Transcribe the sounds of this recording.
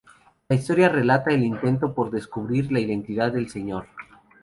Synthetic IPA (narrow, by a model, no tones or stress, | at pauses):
laist̪o̞ɾjare̞lat̪aelint̪e̞nt̪o̞po̞ɾðe̞skuβɾiɾlaiðe̞nt̪iðaðːe̞lse̞ɲo̞ɾ